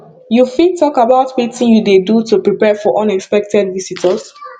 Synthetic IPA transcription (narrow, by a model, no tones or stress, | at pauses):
jufitʰɔkabaʊtwitĩnjudedutupɹipɛfɔʔɔ̃nɛkspɛk̚tɛdvisitʰəs